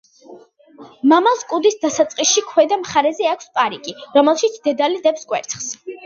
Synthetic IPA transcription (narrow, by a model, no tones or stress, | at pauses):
mamalˠskʼud̪isd̪asat̪sʼqʼisʃikʰwɛd̪amχaɾɛzɛakʰʷspʼaɾikʼiɾɔmɛlˠʃit̪sʰd̪̥ɛd̪alid̪ɛpskʼwɛ̰ɾt̪sʰχs